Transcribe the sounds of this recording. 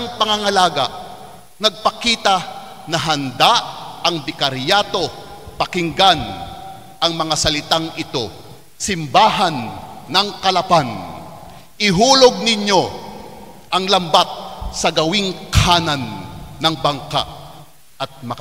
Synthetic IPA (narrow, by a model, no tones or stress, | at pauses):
ɐŋpɐŋaŋɐlaːɡɐ̰ʔ | nɐɡ̚pɐkiːt̪ɐ | nɐɦɐnd̪aʔʔɐŋbɪkɐɾjat̪o̞pɐkɪŋɡan | ʔɐŋmɐŋasɐlɪt̪aŋʔɪt̪o̞ | sɪmbaːɦɐnːɐŋkɐlɐpan | ʔɪɦuːloɡ̚nɪɲo̞ | ʔɐŋlɐmbat̪̚sɐɡɐwɪŋkaːnɐnːɐŋbɐŋka̰ʔ | ʔɐt̪̚mɐk